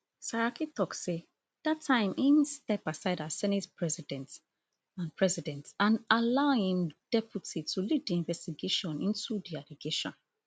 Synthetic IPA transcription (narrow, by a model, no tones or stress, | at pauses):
saɹakitɔkse | d̥atʰːãɪ̃mʔĩnstɛpasaɪdasɛnɛtpʰɹɛzidɛ̃nt | ãnpʰɹɛzidɛ̃ntãnalaʊĩnd̥ɛpjutʰitʰulid̚diĩɱvɛstiɡeʃɔ̃nĩntudialiɡeʃɔ̰̃n